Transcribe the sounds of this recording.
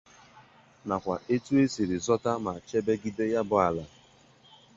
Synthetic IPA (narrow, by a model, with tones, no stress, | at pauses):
na˨kʷa˨ʔe˦tu˦e˦si˨ɾɪ˨zɔ˦ta˦ma˨t͡ʃe˦be˦ɡi˦de˦ja˦bʊ˨a˨la˨